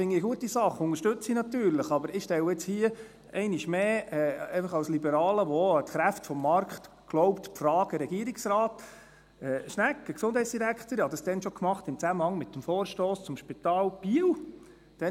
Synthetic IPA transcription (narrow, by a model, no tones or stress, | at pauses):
fɪŋːiɡuətːisɑχːʊnəɾʃtɵt͡sinɑt̪yːɾləχɑbəɾɪʃtɛwəɪt͡shiə | ɛɪniʃmeːɛɛɪfəχɑwslibəɾɑːləʋɔtχɾæftfɔmːɑɾkχt | ɡ̥loʊpt̪pfrɑːɡ̥əɾɛɡiəɾɪksɾɑːt | ɛːʃnækːəksʊnd̥hɛɪt͡ssd̥iɾækχt̪əɾhɑd̪ɑsd̥̪ɛnʃɔkmɑχt̪ɪmt͡sæməhɑŋmɪt̪ːəmfɔːɾʃtɔːst͡sʊmʃpit̪ɑːlb̥iəw | d̥ɛ